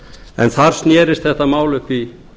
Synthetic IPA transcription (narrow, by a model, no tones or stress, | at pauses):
ɛ̰nθaɾ̥snjɛːɾɪst̪θɛht̪ːamaːwlʏhkvi